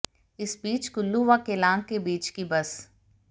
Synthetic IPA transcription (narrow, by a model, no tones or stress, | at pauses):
ɪsbiːt͡ʃkʊlːuʋakelãːŋkkebiːt͡ʃkibɐs